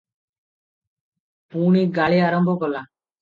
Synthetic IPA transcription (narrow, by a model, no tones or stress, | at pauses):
puːɳ̃iɡaːɭiaːɾəmbʱɔkɔla